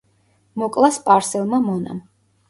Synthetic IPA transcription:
mɔkʼlˠaspʼaɾsɛlˠmamɔna̰m

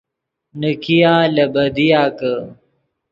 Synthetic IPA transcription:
nəkijaːlɐbɐd̪ijaːkə

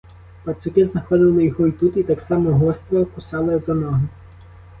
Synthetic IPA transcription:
pɐsʲʊkɪznɐxɔd̪ɪlˠɪjɔɦɔit̪ut̪it̪ɑksɑmɔɦɔst̪ɾɛkʊsɑlˠɪzɐnɔɦɪ

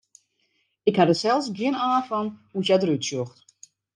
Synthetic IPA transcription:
ɪkhadəsɛlˠsɡɪənaːfɔŋhusjadrytsjoxt

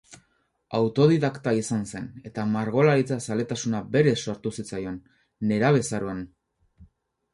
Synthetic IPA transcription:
awt̪o̞ð̞iðakt̪aisanse̞ne̞t̪amaɾɣo̞laɾit͡sasale̞t̪asunabe̞ɾe̞so̞ɾt̪usit͡sajo̞nː | e̞ɾaβ̞e̞saɾuan

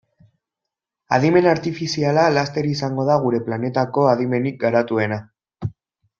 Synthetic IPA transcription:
a̰ðime̞naɾt̪ifisialalast̪e̞ɾisaŋɡo̞ðaɣ̞uɾe̞plane̞t̪ako̞aðime̞nik̚ɡaɾat̪ue̞na

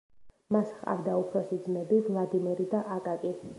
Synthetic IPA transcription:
masχqʼa̰vd̪aupʰɾɔsid̪zmɛbivlˠad̪imiɾid̪aʔakʼakʼi

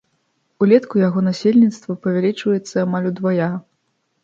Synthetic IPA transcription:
ulʲɛt̪kujaɣɔnasʲelʲnʲit̪st̪vɐpɐvʲalʲit͡ʂvɐjɛt̪sːɐːmalʲud̪vaja

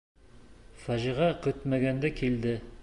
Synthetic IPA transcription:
fæʒiʁɑqɵ̆t̪mæɡænd̪ækʰild̪ɘ

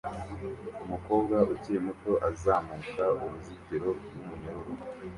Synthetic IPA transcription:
umuko̞ːbɡauciemuto̞ʔazaːmukauɾuziteɾo̞mumuɲooɾo

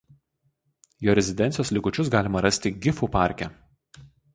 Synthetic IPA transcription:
joːɾʲɛzʲɪd̪ʲɛnʲt̪ʲɪjoːslʲɪkʊt͡ʃʲʊsɡɑːlʲɪmɐɾɐsʲt̪ʲɪɡʲɪfuːˑpɑˑɾʲkʲɛ

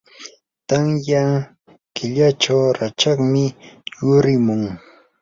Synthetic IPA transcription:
t̪aŋja | kɪʎat͡ʃawɾat͡ʃɑχmɪjʊɾɪmʊŋ

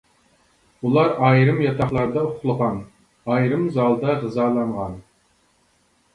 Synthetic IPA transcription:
ulˠɑɾɑjɾɨmjɑt̪ʰɑχlˠɑɾd̪ɑʊχlˠəʁɑn | ɑjɾɨmzɑlˠd̪ɑʁəzɑːlˠɑɴʁɑn

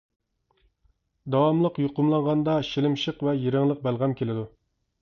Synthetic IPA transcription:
d̪ɑwɑmlˠəqjoqʊmlˠɑɴʁɑnd̪ɑʃilɪmʃəqvɛjeɾɪŋlˠəq̚bælˠʁɑmkʲʰelɪd̪u

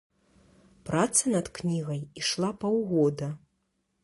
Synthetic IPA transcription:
pɾat̪sɐnɐt̪knʲiɣɐjiʂlˠapɐwɣɔd̪ɐ

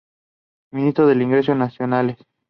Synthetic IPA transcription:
mĩnist̪ɾoðe̞liŋɡɾes̬jonasjonales

